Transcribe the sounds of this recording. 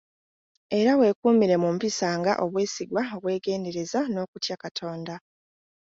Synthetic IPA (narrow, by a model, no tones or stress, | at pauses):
e̞ɾawe̞kuːmiɾe̞mumpisaːŋɡa̰ʔo̞βwe̞ːsiɡwao̞βwe̞ːɡe̞ːnde̞ɾe̞zano̞ːkutjakatʰo̞ːnda